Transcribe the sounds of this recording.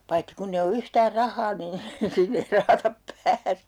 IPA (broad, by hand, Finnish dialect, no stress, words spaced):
pɑitːi kunː e o yhtæːr rɑhˑɑː niːn sinːe ei rɑhɑtɑp pæːse̥